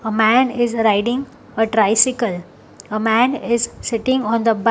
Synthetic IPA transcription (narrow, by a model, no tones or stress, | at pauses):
əmæ̃nɪzɾaɪɖɪ̃ŋ | əʈɾaɪsɪkəl | əmæ̃nɪzsɪʈɪ̃ŋɡɔ̃nd̪əb